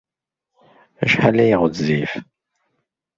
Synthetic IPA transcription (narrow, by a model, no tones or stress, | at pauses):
æʃħalæjiʁət͡szif